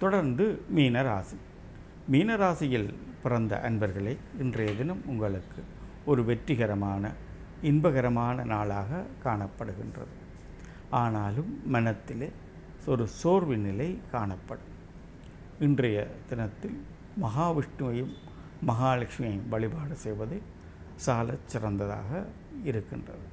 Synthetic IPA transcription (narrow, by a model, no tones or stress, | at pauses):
t̪ɔɽɐɾnd̪ɯmiːnɐɾa̰ːsɐ | miːnɐɾaːsɐjɪlpɪrɐnd̪ɐ̰ʔɐnbɐɾɣɐɭɐɪɪndrɐjɐðɪnɐmʊŋɡɐɭɯkːɯ | ɔɾɯʋɛʈːɾɪɣɐɾɐmaːnɐ | ɪnbɐɣɐɾɐmaːnɐnaːɭaːɣɐkaːɳɐpːɐɽɯɣɪ̰ndrɐ̰ðɯ | aːnaːlɯmːɐnɐt̪ːɪleː | ɔɾɯsoːɾʋɪnɪlɐɪkaːɳɐpːɐɽɯm | ɪndrɐjɐd̪ɪnɐt̪ːɪl | mɐɦaːʋɪʂʈːɯmɐjɯmː | ɐɣaːlɐkʂmɪjɐɪʋɐɭɪbaːɽɐsɛjʋɐðɐɪ | saːlɐt͡ʃːɪrɐnd̪ɐða̰ːɣɐ | ɪɾɯkːɪndrɐ̰ðɯ